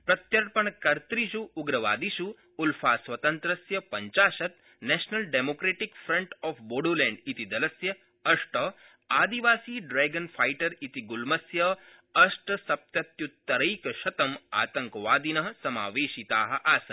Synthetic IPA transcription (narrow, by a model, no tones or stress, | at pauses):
pɾɐt̪jɐɾpɐɳkɐɾt̪ɾiʃuːɡɾɐʋa̰ːd̪iʃu | ulfʰaːsʋɐt̪ɐnt̪ɾɐsjɐpɐɲt͡ʃaːʃɐt̪ | nɛːʃnɐlɖeːmoːkɾeːʈikfɾɐɳʈɔːfboːɽoːlɛ̃ːɳɖit̪id̪ɐlɐsjɐ | ɐʂʈɐ | aːd̪iʋaːsiːɖɾɛːɡɐnfaːjʈɐɾit̪iɡulmɐsjɐ | ɐʃʈɐsɐp̚t̪ɐt̪jut̪ːɐɾɐjkʃɐt̪ɐma̰ːt̪ɐ̃ŋkʋaːd̪inɐɦɐsɐmaːʋeːʃit̪aːɦɐ̆ʔaːsɐn